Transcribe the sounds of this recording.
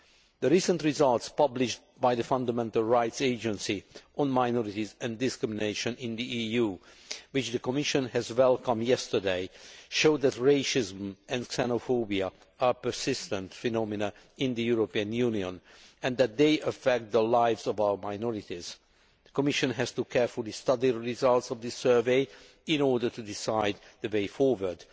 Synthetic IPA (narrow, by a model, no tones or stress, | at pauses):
ðəɹisə̃ntɹizʌlˠtspʌblɪʃt | bajðəfʌ̃ndəmɛ̃ntəlˠɹaɪtseɪd͡ʒə̃nsiʔɔ̃nmaɪnɔɹitizɛ̃ndɪskɹɪmineɪʃə̃nɪ̃nd̪iiju | wɪt͡ʃðəkɔmɪʃə̃nhɛzwɛlkə̃mjɛstə˞deɪʃoʊd̪ætɹeɪʃɪzmɛ̃nksɛnofobia | aɹpə˞sɪst̪ə̃nt̪fɛnɔmɪna | ɪ̃nd̪əjuɹopiə̃njuniɔ̃nɛ̃nd̪æt̪̚d̪eɪʔəfɛk̚t̪̚d̪əlaɪvzɔvawə˞maɪnɔɹitiz̥ | ðəkɔmɪʃə̃nɦɛz̥tukʰɛɹfulˠist̪ʌd̪iəɹizʌlˠt̪sɔvd̪ɪsɜ˞veɪ | ɪ̃nɔɹdə˞tudɪsaɪd̪ðəweɪfɔɹwə˞d